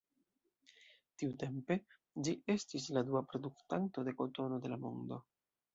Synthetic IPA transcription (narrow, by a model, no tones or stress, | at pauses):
tiute̞mpe̞ | d͡ʒiʔe̞stis̬laduapɾo̞duktanto̞de̞ko̞to̞no̞de̞lamo̞̰ndo̞